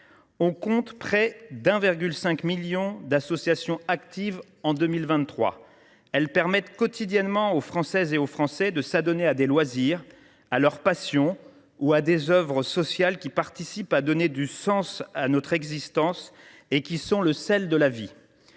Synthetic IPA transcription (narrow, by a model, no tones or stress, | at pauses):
ɔ̃kɔ̃t̪pχɛd̪ɛ̃viʁɡʲylsɛ̃kmiljɔ̃d̪asɔsjasjɔ̃akt̪iv | ɑ̃d̪ømilvɛ̃t̪ːχwa̰ | ɛlpɛʁmɛt̪kɔt̪ʰid̪jɛnmɑ̃ofχɑ̃sɛzeofχɑ̃sɛd̪əsad̪ɔnead̪elwaziʁ | alœʁpasjɔ̃ | uad̪ezœvʁəsɔsjalkʲipaʁt̪isipad̪ɔned̪ysɑ̃sanɔt̪χɛɡzist̪ɑ̃s | ekʲisɔ̃ləsɛld̪əlavi